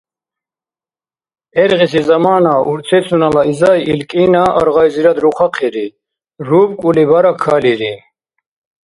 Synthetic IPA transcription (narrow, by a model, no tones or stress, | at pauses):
ɛɾʁisizamaːnaṵɾt͡s̪ʰɛsʰunalaizajʔilkʼinaʔa̰ɾʁajziɾad̪ɾuχʰaqʰɛɾi | ɾubkʼulibaɾakʰaliɾi